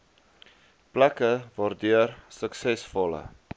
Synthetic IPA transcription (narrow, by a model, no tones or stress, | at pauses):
plækəvɑːrdyərsəksɛsfɔlə̰